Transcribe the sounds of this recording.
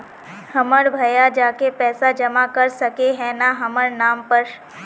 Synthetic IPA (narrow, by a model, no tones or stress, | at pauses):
hɐməɾbʱɐjad͡ʒaːkepɛːsad͡ʒɐmakɐɾsɐkeɦɛ̃naɦɐməɾnaːmpəɾ